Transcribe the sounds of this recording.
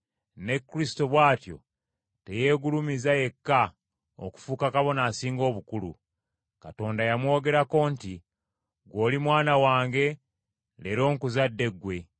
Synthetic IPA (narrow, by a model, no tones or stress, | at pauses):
ne̞kːɾisi̥to̞βwaːtjo̞̰ | te̞je̞ːɡulumizaje̞kːa | o̰ku̥fuːkakaβo̞naːsiːŋɡo̞ːβukulṵ | kato̞ːndajamwo̞ːɡe̞ɾako̞ːnti | ɡwo̞ːlimwaːnawaːŋɡe̞ | le̞ɾo̞ːŋkuzadːe̞ɡːwe̞